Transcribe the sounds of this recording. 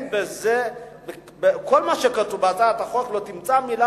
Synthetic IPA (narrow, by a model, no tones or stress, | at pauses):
bezebe | bekolmaʃekat̪ubeataat̪aχot̪lot̪imt͡samila